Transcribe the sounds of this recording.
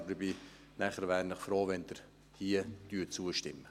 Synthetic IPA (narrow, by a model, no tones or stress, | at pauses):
dəbɪ | næχəɾʋæːɾnəχfɾoːʋɛnd̥̪əɾ | hiəd̥yːət͡suəʃtɪmːə